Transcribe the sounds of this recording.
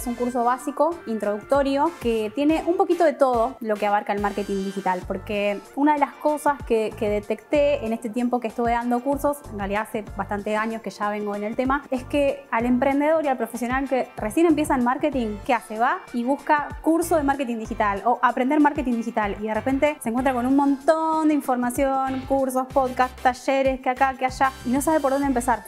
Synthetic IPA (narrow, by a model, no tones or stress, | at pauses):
suŋkuɾs̬o̞βasiko̞int̪ɾo̞ð̞uk̚t̪o̞ɾjo̞ket̪je̞ne̞ʔumpo̞kit̪o̞ð̞e̞t̪o̞ð̞o̞lo̞keaβaɾkaelmaɾket̪iŋd̪ixit̪alpo̞ɾkeunaðe̞lasko̞saskekeðet̪e̞kt̪e̞ːne̞st̪e̞t̪̬je̞mpo̞keːhst̪uβeðand̪o̞kuɾso̞senrealiðaase̞bast̪ant̪esaɲo̞ske̞ʃaβe̞ŋɡo̞ene̞lt̪e̞mae̞skeale̞mpɾe̞nd̪e̞ðo̞ɾialpɾo̞fesjonalkeresje̞ne̞mpje̞saenmaɾket̪iŋkeaseβaiβuskakuɾsoðemaɾket̪ind̪ixit̪alo̞ʔapɾend̪eɾmaɾke̞t̪ind̪ixit̪aliðerepe̞nt̪e̞se̞ːŋkwent̪ɾakonunmõ̞nt̪ond̪eiɱfo̞ɾmasjo̞nkuɾs̬o̞spo̞ðkast̪ːaʃeɾe̞skeakakeaʃaino̞saβe̞p̬oɾðo̞nd̪empesaɾ